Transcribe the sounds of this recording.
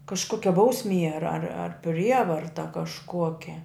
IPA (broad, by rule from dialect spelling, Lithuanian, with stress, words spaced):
kɐʃˈkoːkʲɛ ˈbɐʊsʲˌmʲiɛ ɐr ɐr ˈpʲrʲiɛʋɐrtɐ kɐʃˈkuɔkʲɛ